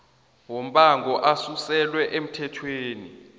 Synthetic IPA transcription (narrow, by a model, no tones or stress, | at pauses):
wom̩ɓaŋɡɔʔasusɛlwɛʔem̩tʰɛtʰweːni